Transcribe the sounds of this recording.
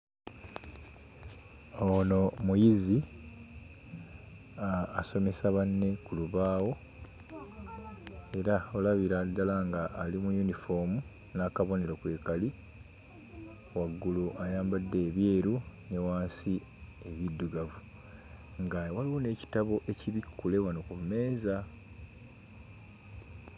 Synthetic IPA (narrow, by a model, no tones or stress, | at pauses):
ono̞mujizi | aːso̞me̞saβanːe̞kuluβaːwo̞ | e̞ɾaolaβiɾadːalaŋɡaʔːlimujunifo̞mu | naːkaβo̞ne̞ɾokwe̞ːkali | waɡːuluʔajaːmbadːe̞ːβje̞ːɾune̞waːnsi | e̞βidːuɡavu | ŋɡawaliwo̞ne̞ːci̥taβo̞ʔe̞ciβikːule̞wano̞kumːe̞ːza